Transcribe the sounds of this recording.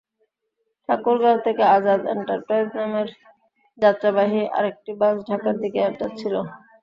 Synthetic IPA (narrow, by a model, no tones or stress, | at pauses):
ʈʰakuɾɡalt̪ʰekead͡ʑad̪ḛɳʈaɾpɾajznameɾ | d͡ʑat̪ːɾabaɦiʔa̰ɾek̚ʈibad͡ʑɖʱakaɾd̪ikeɛʈat͡ɕʰilo